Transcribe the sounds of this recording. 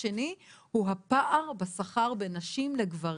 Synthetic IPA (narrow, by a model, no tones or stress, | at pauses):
enihuɦapaʔaʁbesaχaʁbenaʃimleɡvaʁ